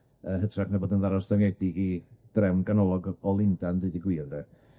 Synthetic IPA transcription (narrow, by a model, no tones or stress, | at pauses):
əɦətʰraknaboːdənðaɾɔsdaŋɛdiɡid̥rɛwnɡanɔlˠɔɡɔlˠɪndandɨdiɡwiːrðɛ